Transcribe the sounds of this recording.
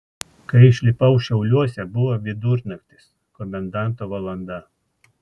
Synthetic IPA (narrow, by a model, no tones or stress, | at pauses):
kɐɪɪʃʲlʲɪpɐʊʃʲɛʊlʲuɔsʲɛbʊʋoːʋʲɪd̪ʊɾnɐkʲt̪ʲɪs | kɔmʲɛnd̪ɑˑnˑt̪oːʋɐlˠɐnd̪ɐ